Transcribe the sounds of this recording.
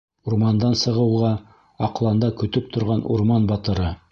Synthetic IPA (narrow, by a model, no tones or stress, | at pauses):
uɾmɑnd̪ɑnsɤ̆ʁɤ̆wʁɑ | ɑqlˠɑnd̪ɑkɵ̆t̪ɵp̚t̪ʰŏɾʁɑnʔṵɾmɑnbɑt̪ɤ̆ɾɤ